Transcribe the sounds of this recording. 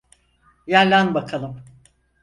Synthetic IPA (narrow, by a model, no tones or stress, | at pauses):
jæɾlʲænbakʰalˠɯm